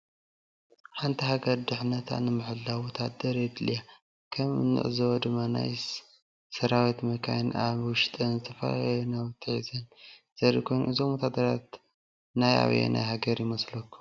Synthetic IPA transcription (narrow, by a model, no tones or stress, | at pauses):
ħant̪ʰiɦaɡɐɾd̪ɨħnɐt̪ʰa̰nɨmɨħɨlːawɔt̪ʰad̪ɐɾed̪lija | kʰɐmɨ̰nːɨ̰ʔɨzɐwod̪ɨmːana̰j | sɐɾawit̪mɐkʰajnʔaβwʊʃt̪ʼɐnzɨt̪ʰɐfɐ̰la̰nawt̪ʰːɨħḭzɐn | z̥ɐɾḭkʰo̞jnṵʔɨzomwɔt̪ʰad̪ɐɾat̪ | naja̰β̰jḛna̰ɦaɡɐɾjɪmɐslɐkʰːu̥